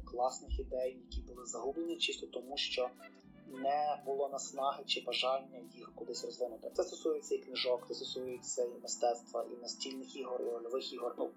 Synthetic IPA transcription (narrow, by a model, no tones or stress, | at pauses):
klˠɑsnɪxid̪ɛjːɐkʲibʊlˠɪzɐɦublenʲit͡ʃɪst̪ʲɔt̪ɔmuʃt͡ʃɔ | nɛbʊlˠɔnɐsnɑɦɪt͡ʃɪbɐʒɑlʲnʲːɐjixkʊd̪ˠɪsʲrɔzʋɪnʊt̪ɪ̥t̪ɛst̪ɔsujɛt͡sʲːɐiknɪʒɔkt̪ɛst̪ɔsujet͡sʲːɐimɪst̪ɛt̪st̪ʋɐʔḭnɐsʲtʲilʲnɪxiɦɔriɔlʲɔʋɪxiɦɔrnṵ